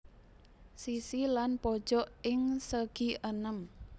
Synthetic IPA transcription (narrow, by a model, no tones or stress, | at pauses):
sisilanpɔd̥ʒ̥ɔʔɪŋsəɡ̥iʔənəm